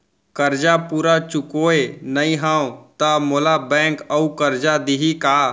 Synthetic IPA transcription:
kəɾd͡ʒapuːɾat͡ʃʊkoːenəĩɦãːõt̪amolabɛ̃ːŋkəukəɾd͡ʒad̪iɦikaː

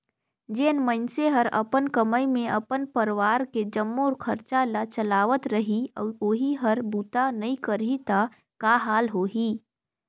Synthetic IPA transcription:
d͡ʒeːnmənseɦəɾɐ̰pənkəməjmẽʔɐpənpəɾɪʋaːɾked͡ʒɐmːoːɾkʰɐɾt͡ʃalat͡ʃɐlaːʋət̪ɾəɦioːɦiɦəɾbuːt̪anɐikəɾit̪a | kaɦaːlɦoːɦiː

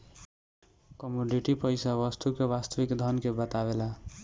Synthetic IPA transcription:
kɔmuɖiʈipʌjsabʌst̪ukeβast̪ʌʋikd̪ʱʌnkebət̪abela

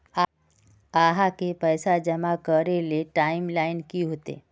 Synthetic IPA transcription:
a | aːɦakepɛːsad͡ʒɐmakəɾeleʈaːɪmlaːɪnkiɦoːt̪ḛː

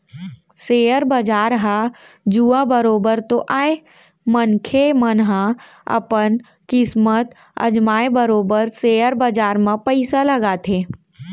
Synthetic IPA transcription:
seːəɾbəd͡ʒaːɾɦãd͡ʒuːãbəɾoːbəɾt̪oʔaːe | mənkʰemənɦã | ə̰pən | kɪsmət̪ | ə̰d͡ʒmaːebəɾoːbəɾseːəɾbəd͡ʒaːɾmãpəɪsaləɡat̪ʰeː

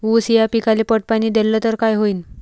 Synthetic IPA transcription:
usijapikalepəʈ̚paniːd̪elːət̪əɾkajɦoiːn

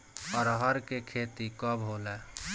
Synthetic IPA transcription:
ɔːɾɦəɾkekʰet̪ikɔbɦole

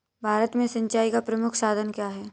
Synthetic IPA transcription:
bʱaːɾət̪mẽsɐ̃ɲt͡ʃaːikapɾɐmʊkʰsaːd̪ʱənkjaːɦɛː

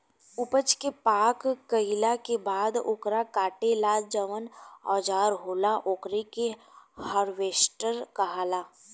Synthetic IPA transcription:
ʊpət͡ʃkepaːkːəɪlakebaːd̪oːkɾakaːʈelaːd͡ʒəʋənɔːd͡ʒaːɾɦoːlaʔoːkɾekehəɾʋeːsʈəɾkɐɦaːlaː

